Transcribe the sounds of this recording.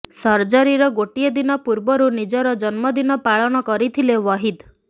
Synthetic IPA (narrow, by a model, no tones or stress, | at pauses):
sɔɾd͡ʒaɾiɾɔɡoʈied̪inɔpuɾbɔɾunid͡ʒɔɾɔd͡ʒɔnmɔd̪inɔpaɭɔɽ̃ɔkɔɾit̪ʰilewɔɦid̪